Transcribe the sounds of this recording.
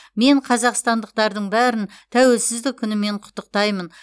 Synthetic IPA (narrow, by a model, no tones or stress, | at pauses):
me̞ɴqʰɑzɑqst̪ɑnd̪əq̚t̪ɑɾd̪əɴbæɾɪnt̪ʰæwe̞lsɪzd̪ɪk̚ʲʰːʏnɪme̞ɴqʰʊ̥t̪ːəq̚t̪ɑjmən